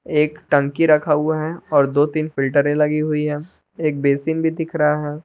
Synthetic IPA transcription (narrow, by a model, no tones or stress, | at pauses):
eːkʈɐ̃ŋkiɾɐkʰauaɦɛɔːɾd̪oːt̪iːnfɪlʈəɾẽlɐɡiɦʊiɦɛː | eːk̚beːsiːnbʱid̪ɪkʰɾɐɦaɦɛː